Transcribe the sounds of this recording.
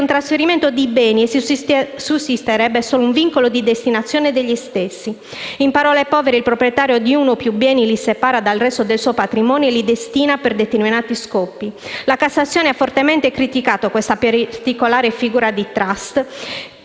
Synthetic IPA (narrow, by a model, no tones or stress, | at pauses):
nt̪ɾasfeɾiment̪od̪ibɛːnie | susːist̪eɾɛbːesoːlouɱviŋkolod̪id̪est̪inat̪sːjɔːned̪eʎːist̪esːi | impaɾɔlepɔːveɾeilpɾopɾjɛt̪aːɾjod̪iunopjubːɛːnilisepaːɾad̪alrɛst̪od̪elsɔjpat̪ɾimɔːnielid̪est̪iːnaperd̪et̪erminaːt̪iskɔpːilakatsːat̪sːjɔːneafːort̪emɛnt̪ekɾit̪ikaːt̪okwest̪apt̪ikolaːɾefiɡuːɾad̪it̪ɾast̪